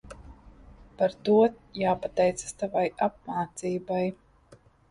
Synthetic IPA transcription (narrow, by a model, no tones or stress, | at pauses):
paɾt̪uɔt̪ | jaːpat̪ɛjt̪sḁst̪avajap̚maːt̪siːbaj